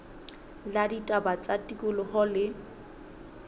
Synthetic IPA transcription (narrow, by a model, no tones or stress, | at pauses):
laditʼabat͡sʼatʼikʼʊlɔhɔlɪ